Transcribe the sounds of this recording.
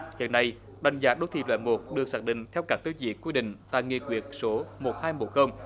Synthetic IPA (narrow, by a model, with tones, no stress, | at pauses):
hḭ˧˨ənːa˧j | ɗa˨˩jŋ̟zaː˨˦ɗo˨˦˥wt̪i˧˨˩lwɛ̰˧˨nmo˨˩t̚ɗɨ˨˩ək̚saː˨˦˥k̚ɗḭ̈˧˨ŋ̟t̪ʰɛ˧wkaː˦˥k̚t̪u˨˦zḭ˧˩əkwi˧ɗḭ̈˧˨ŋ̟t̪a̰ː˧˨jŋi˧˩kwi˨˧˩ət̚so˨˦mo˨˩t̚haː˧jmo̰˧˩xə˧wŋ͡m